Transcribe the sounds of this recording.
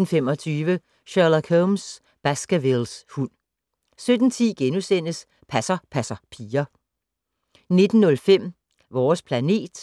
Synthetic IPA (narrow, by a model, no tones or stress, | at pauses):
n̩fem̰ɒ̽t͡sʰyːʋə | ɕɑlækʰoms | b̥æsɡ̥əʋelshun̰ | sød̥n̩t͡sʰiːɡ̥enusen̰əs | pʰæsɐpʰæsɐpʰiːɐ | ne̝d̥n̩ːɔ̽lfem̰ | ʋɒːspʰlæne̝̰ːd̥